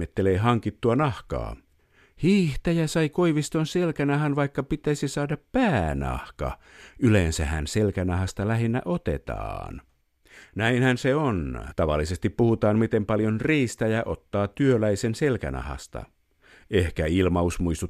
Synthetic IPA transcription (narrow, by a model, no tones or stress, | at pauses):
et̪ːeleːɦɑŋkit̪ːuɑnɑhkɑ̰ː | hiːht̪æjæsɑikoiʋist̪onselkænɑɦɑnʋɑikːɑpit̪æisisɑːdɑppæːnɑ̰hkɑ̰ | ʔylensæhæ̰nselkænɑɦɑst̪ɑlæɦinːæ̰ʔot̪ḛt̪ɑ̰ːn | næinhænseont̪ɑʋɑ̰lːisest̪ippuhut̪ɑːmmit̪empɑljonriːst̪æjæʔot̪ːɑːt̪ːyølæisenselkæ̰nʔɑ̰hɑ̰st̪ɑ̰ | ehkæilmɑusmuist̪u